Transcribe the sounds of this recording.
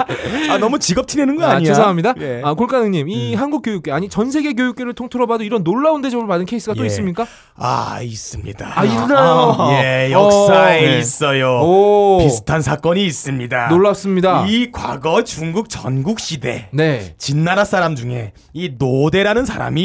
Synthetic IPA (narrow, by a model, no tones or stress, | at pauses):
anʌmut͡ɕiɡʌp̚tʰinenɯnɡʌaɲies̬ʰaŋamɲidaakoɭk͈anɯŋɲimiiɦanɡuk͈jojuk͈e̞aɲit͡ɕʌnsʰe̞ɡe̞k̬jojuk͈e̞ɾɯɭtʰoŋtʰɯɾʌbadoiɾʌnːoɭːaunde̞d͡ʑʌbɯɭpadɯnkʰe̞is͈ɯɡatt͈ois͈ɯmɲik͈a | a̰is͈ɯmɲḭdaaiɾɯnajojejʌʌks͈aeis͈ʌjoopisʰɯ̥tʰansʰak͈ʌɲiːs͈ɯmɲidanoɭːas͈ɯmɲidaikwa̰ɡʌet͡ɕuŋɡuk̚t͡ɕʌnɡuk̚ɕ͈ide̞ne̞t͡ɕinːaɾas͈ʰaɾamd͡ʑuŋe̞̰ | inode̞ɾanɯnsʰaɾa̰mi